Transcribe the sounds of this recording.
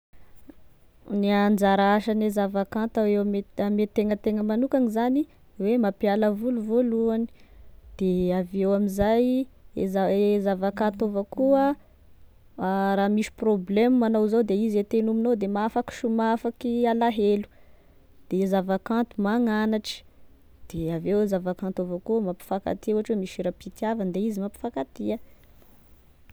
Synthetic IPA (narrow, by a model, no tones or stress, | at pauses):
niand͡ʒaɾaaʃanezavakãnt̪awemeamet̪eŋət̪eŋəmanukanizani | wemapialəvuluvoluani̥d̪̥eavewamizajzazavakat̪ovəkuə | ɾamiʃi̥problemmanowzowd̪eizet̪enuminowd̪emaafaki̥ʃumafakialaɦelu̥ | d̪̥ezavakãnt̪umaŋanaʈ͡ʂə̥ | d̪̥eavewezavakãnt̪ovəkuəmapi̥faka̰t̪iuɦaʈ͡ʂwemiʃiɾapit̪iavand̪eizimapi̥fakat̪iə